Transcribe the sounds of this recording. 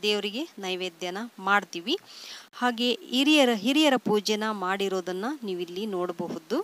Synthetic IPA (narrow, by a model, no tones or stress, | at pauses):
d̪eːʋɾiɡe̞nɐjʋeːd̪jɐnɐmaːɽt̪iːʋihaːɡe̞iɾijɐɾɦiɾijɐɾɐpuːd͡ʒɛnɐmaːɽiɾo̞ːd̪ɐnːɐniːʋilːino̞ːɽɐbɐɦud̪u